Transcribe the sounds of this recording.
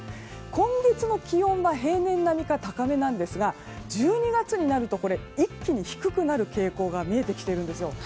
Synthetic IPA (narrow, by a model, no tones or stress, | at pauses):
kõ̞ŋɡet͡sɨno̞kʲijõ̞m̃baɦe̞ːnẽ̞nːamʲikat̪akame̞nãnd̪e̞sɨɡa | d͡ʑɨːɲ̟iɡat͡sɨɲ̟inaɾɯ̟t̪o̞ko̞ɾe̞ikʲːiɲ̟içi̥kɯ̟kɯ̟naɾɯ̟ke̞ːko̞ːɡamʲie̞t̪e̞kʲi̥t̪e̞iɾɯ̟̃nd̪e̞sɨjo̞